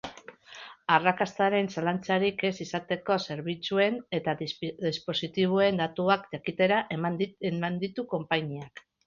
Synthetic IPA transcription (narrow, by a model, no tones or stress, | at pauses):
arakast̪aɾe̞nsalant͡saɾike̞sisat̪e̞ko̞se̞ɾβ̞it͡sue̞ne̞t̪aðispo̞sit̪iβ̞ue̞nd̪at̪uakd̪akit̪e̞ɾaʔemand̪it̪uko̞mpaɲiak